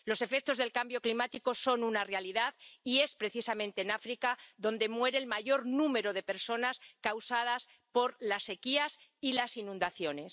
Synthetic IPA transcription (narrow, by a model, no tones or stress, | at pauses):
lo̞se̞fe̞k̚t̪o̞zðelkambjo̞klimat̪iko̞so̞nunarealiðaðie̞spɾe̞θisamẽnt̪e̞ːnafɾikaðo̞nd̪e̞mwe̞ɾe̞ːlmaʝo̞ɾnũme̞ɾo̞ðe̞pe̞ɾso̞naskawsað̞as | po̞ɾlasːe̞kiasilasinũnd̪aθjo̞ne̞s